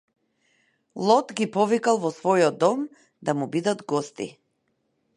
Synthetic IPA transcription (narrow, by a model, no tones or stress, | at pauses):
lˠɔt̪ɡipɔvikalˠvɔsvɔjɔd̪ɔm | d̪amubid̪ad̪ɡɔst̪ḭ